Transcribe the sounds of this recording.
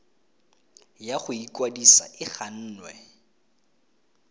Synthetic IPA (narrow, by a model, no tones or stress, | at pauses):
jaχʊikʼwadisa̰ʔɪχan̩ːnwɛ